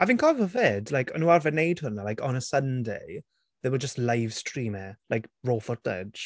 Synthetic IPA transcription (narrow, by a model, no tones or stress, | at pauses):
havɪ̃nkʰɔvəvɛdlajkʰɔnualvɛnejdhʊnəlajkɔnəsəndej | ðəwəd͡ʒəstlajv̥stɹiːmɛlajkɹoːfɔd̥ə̰̥ʒ̥